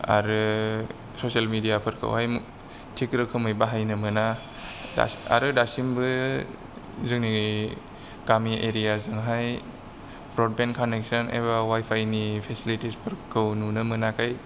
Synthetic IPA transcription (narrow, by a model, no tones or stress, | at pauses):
a̰ɾɯ | sosalmidijapʰɯɾkʰɯ̰whajm | tʰikɾɯkʰɯmɯjbaɦajnɯmɯna | da̰a̰ɾɯdasimbɯ | zɯŋni | kamiʔeɾiazɯŋɦaj | bɾɔd̚benkʰanek̚sɔnḛbawajpʰajnipʰesilitispʰɯɾkʰɯwnunɯmɯnakʰaj